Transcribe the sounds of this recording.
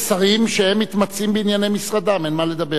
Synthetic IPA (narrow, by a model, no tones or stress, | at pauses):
saʁimʃehemːit̪mat͡simbeinjane̞jmisʁad̪amenmale̞d̪abe